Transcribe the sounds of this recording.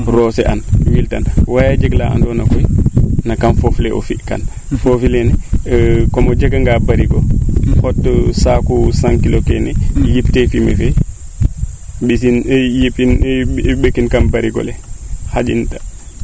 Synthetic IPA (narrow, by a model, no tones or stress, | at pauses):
rɔːsɛʔanwiltanwajad͡ʒɛɡla̰ʔa̰ndɔnakɔjnakanfoflɛʔɔ̰fika̰n | fofilɛnɛ | kɔmɔd͡ʒɛɡaŋɡabaɾiɡɔhɔtːəsaːkusaŋkilokɛnɛjiftefimḛfɛ | bisinjipinbəkːinkanbaɾiɡɔ̰lɛhad͡ʒḭnta